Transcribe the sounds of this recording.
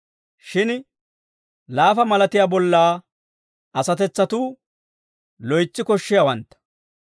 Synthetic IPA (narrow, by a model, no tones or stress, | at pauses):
ʃɪn | laːfɐmɐlɐt̪ɪjaːbɔlːaː | ʔɐsɐt̪ɛt͡sːɐt̪uː | lɔjt͡sːɪkɔʃːɪjawɐnt̪ːɐ̥